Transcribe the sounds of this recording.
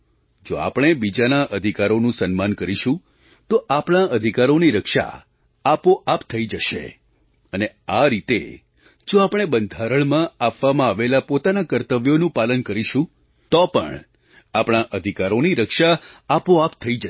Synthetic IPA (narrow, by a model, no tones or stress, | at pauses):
d͡ʒoa̰pɽ̃ebid͡ʒanaʔəd̪ʱikaɾonũsənmankəɾiʃũ | t̪oʔapɳ̃aʔəd̪ʱikaɾoniɾəkʃa̰ː | poʔapt̪ʰəid͡ʒəʃḛ | əneaɾit̪ḛ | d͡ʒoapɽ̃ebənd̪ʱaɾəɳmãapʋamãaʋelapot̪anakəɾt̪əʋjonũpalənkəɾiʃũ | t̪ɔpə̰ɳ | apɳ̃aʔəd̪ʱikaɾoniɾəkʃaːpoapt̪ʰəid͡ʒə